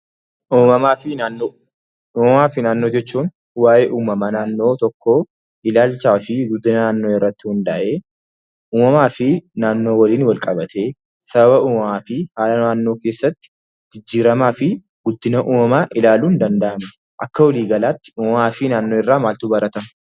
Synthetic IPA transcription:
ʔuːmɐmaːfɪnːnːo | uːmɐmaːfɪnaːnːo̞ːd͡ʒɛt͡ʃːuːn | waːʔeːʔuːmɐmɐnaːnːo̞ːt̪ɔkʰːoː | ʔɪlaːlt͡ʃaːfɪɡʊd̪ɪnɐnaːnːoːɪrːɐt̪ːɪhʊnd̪ɐʔeː | ʔuːmɐmaːfɪnaːnːoːwɐliːnwɐlkʼɐbɐt̪ʰe̞ː | sɐbɐbɐʔuːmɐmaːfɪhaːlɐnaːnːo̞ːke̞ːsːɐt̪ːɪ̥ | d͡ʒɪd͡ʒːiːɾɐmaːfɪ | ɡ̥ʊd̪ɪnɐʔuːmɐmaːʔɪlaːluːnd̪ɐnd̪ɐʔɐmɐ | ʔɐkːɐwɐliːɡɐlaːt̪ːɪ̥uːmɐmaːfɪnaːnːoːɪrːaːmaːlt̪uːbɐɾɐt̪ɐm

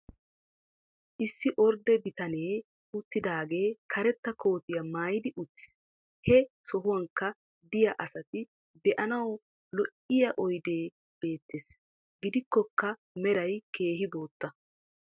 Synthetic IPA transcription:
ʔɪsːɪʔɔɾd̪ɛbɪt̪ɐneː | ʊt̪ːɪd̪aːɡe̞ːkʰɐɾɛt̪ːɐkʰo̞ːt̪ɪjɐmaːjɪd̪ɪʔʊt̪ːɪ̥s | hɛsɔɦʊwɐŋkːɐ | d̪ɪjɐʔɐsɐt̪ɪ | b̪ɛʔɐnɐw | lɔʔɪjɐʔɔjd̪e̞ː | b̥e̞ːt̪ːes | ɡɪd̪ɪkːɔkːɐ | mɛɾɐjke̞ːɦɪbo̞ːt̪ːɐ

